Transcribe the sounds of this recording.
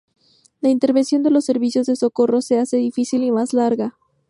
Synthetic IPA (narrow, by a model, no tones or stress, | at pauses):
laint̪e̞ɾβensjo̞nd̪e̞lo̞sːe̞ɾβisjo̞zðe̞so̞ko̞ro̞se̞ase̞ðifisilimaslaɾɣa